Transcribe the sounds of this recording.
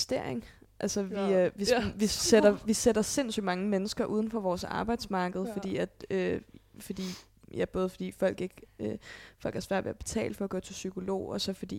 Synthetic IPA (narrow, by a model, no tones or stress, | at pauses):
sd̥e̝ɐ̰eŋ | ʔælsəʋiʋiʋisedɐʋised̥ɐse̝n̰sy̰d̥mɑ̈ŋəmenəsɡ̥ɐʔuːð̞ˠn̩fɒ̽ʋɒːsɑ̈ːb̥ɑ̈ɪd̥smɑ̈ːɡ̥əð̩ˠfɒ̽d̥ḭːæd̥øfɒ̽d̥ḭː | jæb̥ɔ̽ːð̞̩ˠfɒ̽d̥ḭːfɒ̽l̰ɡ̥e̝ɡ̥øfɒ̽l̰ɡ̥hæɐsʋæɐ̰dʋeɐb̥e̝̥t͡sʰɛ̰ːld̥fɒ̽ɐɡ̥œːt͡sʰe̝lsykʰo̝lo̝̰ːɒ̽sɒ̽fɒ̽d̥ḭː